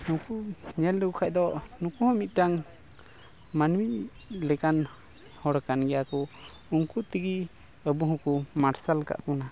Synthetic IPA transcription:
hũkuɲɛlːukukʰaʔ̚d̪ɔnũkuhɔ̃mit̪̚ˀʈaŋ | manwi | lɛkan | hɔɽkanɡɛjakɔ | uŋkut̪iɡi | əbuɦɔ̃kumaɾsalka̰ʔkuna

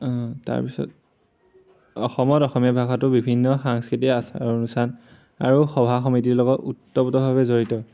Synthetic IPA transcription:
ta̰ɹpisɔ̰t̚ | ɔ̰xɔmɔtɔxɔmiabʱakatʊbibʱinːɔxaŋskitiasa̰onusan | a̰ɹuxɔbʱaxɔmitiɹlɔɡɔtutːɔputɔbʱaβɛzoɹitɔ

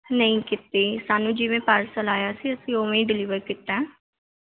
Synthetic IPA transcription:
nəĩːkɪt̪eːsaːnũːd͡ʒɪʋẽːpaːɾsəlaːjaːsiːəsĩːoːʋẽĩːɖɪliːʋəɾkɪt̪ɛ̃ː

